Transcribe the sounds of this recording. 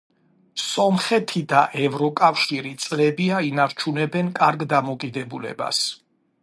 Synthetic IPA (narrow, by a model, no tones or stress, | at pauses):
sɔmχɛt̪ʰid̪aʔɛvɾɔkʼafʃiɾit̪sʼlɛbiainaɾt͡ʃʰunɛbɛnkʼaɾɡd̪amɔkʼid̪ɛbulɛ̰ba̰s